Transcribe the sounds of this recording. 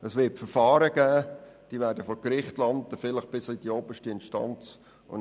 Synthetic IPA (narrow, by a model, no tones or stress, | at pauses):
əsʋɪːtfəɾfɑːɾəɡ̥æːd̥iːʋæːɾdəfɔkɾɪχtlɑntəfɪləχb̥ɪslid̥ioːbəʃtəɪnʃtɑ̰nt͡s | ʊ̰n